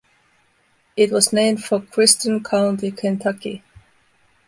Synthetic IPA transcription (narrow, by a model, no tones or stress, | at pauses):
ɪt̚wʌznẽɪ̃md̥fəkʰɹ̥ɪst͡ʃə̃nkʰalə̃ntikʰæ̃ntʰakḭ